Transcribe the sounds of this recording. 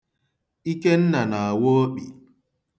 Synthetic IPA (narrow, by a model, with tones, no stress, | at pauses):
i˦ke˦n̩˦na˨na˨a˨wo˦o˦k͡pi˨